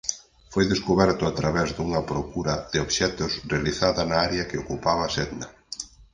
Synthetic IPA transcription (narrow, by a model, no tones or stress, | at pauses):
fojðeskuβɛɾt̪ʊat̪ɾaβɛzd̪uŋɐpɾokuɾɐðɪoβʃɛt̪ʊsrealiθaðɐnaaɾeɐkɪokupaβɐsɛðnɐ